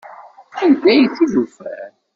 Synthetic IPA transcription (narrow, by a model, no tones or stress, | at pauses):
ænd̪æjθːiðufæɾ